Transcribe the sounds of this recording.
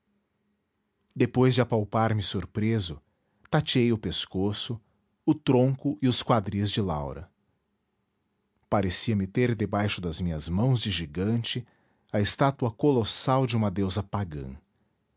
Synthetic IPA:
d̪epojzd͡ʒɪapawpaɾmɪsoɾpɾezʊ | t̪at͡ʃiejʊpeskosʊ | ʊt̪ɾõŋkʊɪʊskwad̪ɾizd͡ʒɪla̰wɾɐ̰ | paɾesiɐmɪt̪eɾd̪ebajʃʊd̪ɐzmĩɲɐzmɐ̃w̃zd͡ʒɪʒiɡɐ̃nt͡ʃɪ | ɐɪst̪at̪uɐkolosawd͡ʒɪũmɐd̪ewzɐpaɡɐ̰̃

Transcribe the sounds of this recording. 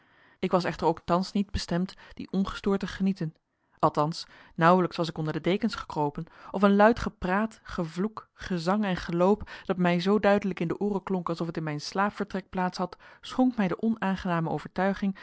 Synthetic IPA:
ɪkʋɑs̬ɛχtəɹowk̚tɑnsnid̚bəstɛmtd̥ḭʔɔnχə̥stʊːɹtəχənitən | ʔɑlˠtɑnsnʌwələksʋɑsɪkɔndəɹdədejkənsχə̥krowpənʔɔfənlœɥtχəpraːtχəvlukχəzɑŋɛnχəlowpd̥ɑtmɛjzowdœɥdələkɪndəʔuːrəklɔŋkɑlˠsɔfətɪnmɛjnslaːpfəɹtrɛk̚plaːtsɦɑtsχɔŋkmɛjdəʔɔnaːnχənaːməʔo̰wv̥əɹtœɥχɪŋ

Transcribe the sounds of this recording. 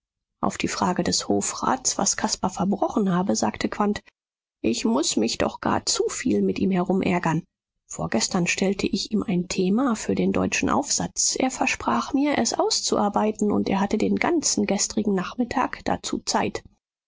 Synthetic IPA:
ʔa̰ʊfd̥iːfʁ̥aːɡədɛshoːfʁa̰ːtt͡sv̥a̰skʰaspafɛɐbʁɔχn̩ɦaːbəza̰ːktʰəkv̥ant | ʔɪçmʊsmɪçd̥ɔ̰χɡ̥a̰ːɐt͡sufiːlmɪtʔiːmhɛɐʁʊmʔɛ̰ɐɡɐn | foːɐɡɛstɐnʃtʰɛltʰəʔɪçiːmʔaɪntʰeːmafyːɐdeːndɔ̰ʏt͡ʃn̩ʔa̰ʊfz̥a̰t͡sʔḛːɐfɛɐʃpʁ̥aːχmiːɐʔɛsʔaʊst͡suʔaːɐbaɪtn̩ʊ̰nteːɐhatədeːnɡant͡sn̩ɡɛstʁ̥ɪɡŋ̩naχmɪtʰa̰ːkd̥a̰t͡sṵːt͡saɪt

